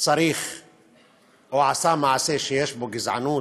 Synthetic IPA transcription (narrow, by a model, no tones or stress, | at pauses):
sˤɑɾiːx | wʕasaːmaʕaseːʃijaʃbʊɡɪzʕa̰nuː